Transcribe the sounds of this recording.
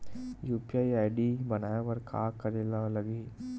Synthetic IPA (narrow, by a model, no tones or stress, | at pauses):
juːpiaːjaːɪɖibɐnaːjaʋɐɾkʰa̰ːkɐɾelalɐɡiː